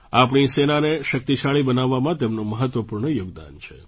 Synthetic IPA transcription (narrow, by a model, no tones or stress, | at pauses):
apɳ̃isenaneʃək̚t̪iʃaɭibənaʋːamãt̪emnoməɦət̪ʋəpuɾɳ̃əjoɡ̚d̪a̰nt͡ʃʰe